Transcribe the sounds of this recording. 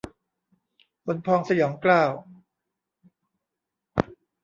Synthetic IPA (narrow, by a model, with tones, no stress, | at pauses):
ʔo˧npʰɔː˧ŋsa˧jɔː˩˦ŋklaː˥˩w